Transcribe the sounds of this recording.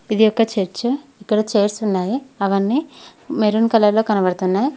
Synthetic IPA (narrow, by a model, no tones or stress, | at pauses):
id̪ijɔkːɐt͡ʃeɾt͡ʃɐikːɐɽɐt͡ʃeːɾsunːaːjiɐʋɐnːimeɾunkɐlɐlo̞ːkɐnɐbɐɽɐt̪unːaːji